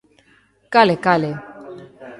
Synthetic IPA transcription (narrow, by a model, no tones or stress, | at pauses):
kalɛkalɛ